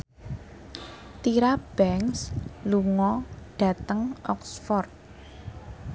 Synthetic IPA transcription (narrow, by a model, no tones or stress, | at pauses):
t̪iɾab̥ɛŋsluŋɔɖ̥ä̤t̪əŋʔɔ̰ksfɔrt̪̚